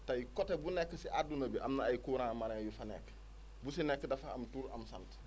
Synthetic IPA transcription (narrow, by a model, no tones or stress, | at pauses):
tɐjikɔtebunɛkːəsiʔadunɐbiʔɐmnaːjkuːɾãːmaɾɛŋjufɐnɛ̰kː | businɛkːədɐfaɐ̰mtuːɾɐ̰msa̰nt